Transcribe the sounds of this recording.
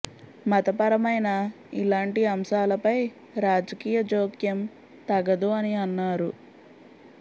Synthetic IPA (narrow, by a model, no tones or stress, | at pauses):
mɐt̪ɐpɐɾɐmɐjnɐ | ilaːɳʈiɐmʃaːlɐpɐj | ɾaːd͡ʒɐkiːjɐd͡ʒoːkjɐm | t̪ɐɡɐd̪uɐniɐnːaːɾu